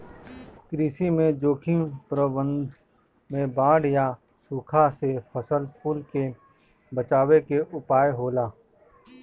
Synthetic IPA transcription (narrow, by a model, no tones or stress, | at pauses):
kɾiːsimẽd͡ʒoːkʰĩpɾəbə̃nd̪ʱ | mẽbãːɽja | suːkʰasepʰəsəlpʊlke | bət͡ʃaːwekeʔʊpaːjɦoːlaː